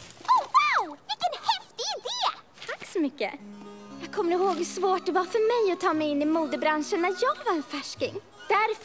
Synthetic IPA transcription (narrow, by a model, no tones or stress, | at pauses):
ɔwawvɪkɛnhɛft̪ɪɪd̪eːt̪ʰakːsɔmʏkːə̰jɑːɡ̚kʰɔmːəɾɪhoːɡhɵsvoːʈ̚d̪ɛvɑfœɾmɛjɔt̪ʰɑːmɛjɪnːɪmuːd̪əbɾanʂənːæɾjɑːɡvaɾɛnfæʂkɪ̰ŋ | d̪̥æɾf